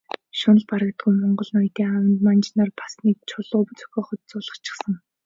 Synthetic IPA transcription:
ʃʊnə̆ɮpaɾə̆k̚t̪ɡujmɔɴɢɞ̆ɮnʊjt̪eːawə̆nt̪mant͡ɕnarpḁsniːk̚t͡ɕʰʊɮʊːpt͡sɵ̥xʲɔːχə̆t̪̚t͡sʊːɮə̆χt͡ɕʰɪ̥̆χsə̆ŋ

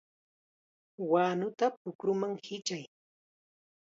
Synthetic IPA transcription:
wanʊt̪ap̚ʊkɾʊmaŋhɪt͡ʃaj

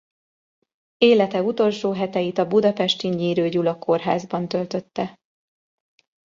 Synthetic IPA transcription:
eːlɛt̪ɛut̪o̞lʃoːɦɛt̪ɛjit̪ɒbud̪ɒpɛʃt̪iɲiːɾøːɟulɒkʰo̞rɦaːzbɒnt̪ø̞lt̪ø̞t̪ːɛ

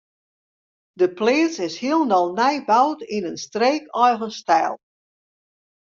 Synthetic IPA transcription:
dəpleːt͡sɪshiəlˠnɔlˠnɛjbawtinənstreːkɔjɣənstɛːlˠ

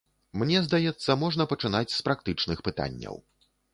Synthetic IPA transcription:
mnʲɛzd̪ajɛt̪sːɐmɔʐn̪ɐpɐt͡ʂɨnat͡sʲspɾak̚t̪ɨt͡ʂnɨxpɨt̪a̰nʲːɐ̰w

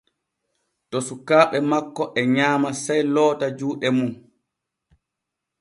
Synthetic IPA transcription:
tɔsukaːɓɛmakːɔʔɛɲaːmasajlɔːtad͡ʒuːɗɛmun

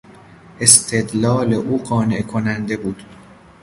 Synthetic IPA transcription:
ʔe̞st̪ʰed̪lɒːle̞ʔuːɢɒːne̞ʔkʰonænd̪e̞buːd̪̥

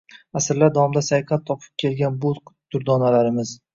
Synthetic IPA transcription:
asɪɾlaɾd̪aɒmd̪asajqʰɑt̪ʰːɒpʰɪ̥p̚kʲʰe̞lɡʲanbʊd̪̥ʊɾd̪ɒnalaɾɪmɪz̥

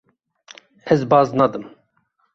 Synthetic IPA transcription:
ɛzbɑːznɑd̪ɨm

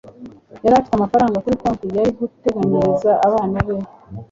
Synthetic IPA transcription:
jaɾatu̥kamafaɾaːŋɡakuɾikoːnkujaɾiɡute̞ɡaɲiɾizaʔːβaːnaβe

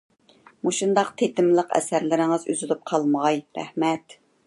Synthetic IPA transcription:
muʃund̪ɑqt̪ʰet̪ɪmlˠəqɛ̰sæɾlɪɾɪŋɨzø̰zylyp̚qʰɑlˠmɑjɾæ̰hmɛt̪

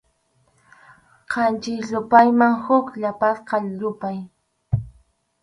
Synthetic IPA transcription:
qʰɑnt͡ʃɪʎʊpajmaŋhʊkʎapasqɑʎʊpaj

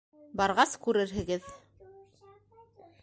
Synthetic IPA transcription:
bɑɾʁɑskʉɾɘɾɦɘ̆ɡɘð

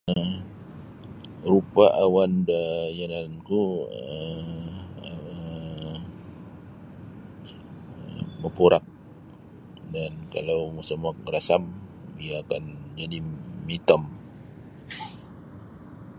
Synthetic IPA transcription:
ə | ɾupaʔawandajanankuə | məpuɾak̚ | danka̰lawmusamak̚rasamdiaːkand͡ʒadimit̪ɔm

